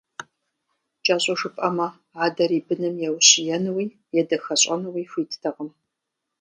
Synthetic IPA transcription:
t͡ʃʼɐɕʼɐʂɨpʼɐmɐ | aːdɐɾiːbɨnɨmjɛwɕɪjɛnɨwiː | jɛdɐxɐɕʼɐnɨwiːxʷiːtʰtʰɐʁəm

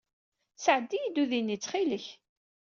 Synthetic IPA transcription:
səʕəd̪ːijid̪uðinːit͡sːχiləç

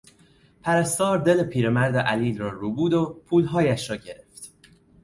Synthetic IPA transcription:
pʰæɾæst̪ɒːɾd̪e̞lepʰiːɾemæɾd̪eʔæliːlɾɒːɾuːbuːd̪opʰuːlɦɒːjæʃɾɒːɟe̞ɾe̞ft̪

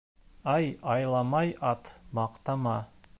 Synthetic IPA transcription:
ɑjɑjlˠɑmɑjɑt̪mɑqt̪ɑmɑ

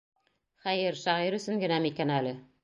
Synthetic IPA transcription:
χæjɘɾʃæʁiɾɵ̆sɘŋɡɘ̆næmikænælɘ

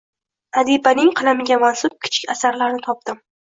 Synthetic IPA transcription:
ad̪ipanɪŋqʰɨlˠamɪɡʲamansʊp̚kʲʰɪ̥t͡ʃʰɪ̥kʲasaɾlaɾnɪt̪ʰɒp̚d̪̥ɪm

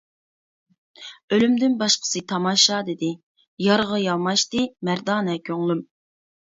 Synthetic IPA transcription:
ølymd̪ɪnbɑʃqʰə̥sɨt̪ʰɑmɑʃɑd̪ɪd̪ɪ | jɑɾʁɑjɑlˠmɑʃt̪ɨmæɾd̪ɑːnɛkʲʰøŋlˠym

